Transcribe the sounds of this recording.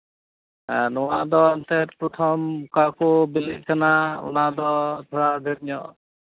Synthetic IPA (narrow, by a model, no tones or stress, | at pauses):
nɔwad̪ɔɔnt̪ɛɾpɾɔt̪ʰɔmkakɔbiliʔ̚kʰanaṵnad̪ɔt̪ʰɔɽaɡʱɛʈ̚ɲɔʔ